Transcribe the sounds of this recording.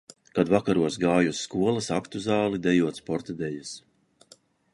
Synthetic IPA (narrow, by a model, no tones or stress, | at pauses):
kad̪vakaɾuɔsɡaːjusːkuɔlˠasakt̪uzaːlˠid̪ɛjuɔt̪spɔɾt̪ad̪ɛjas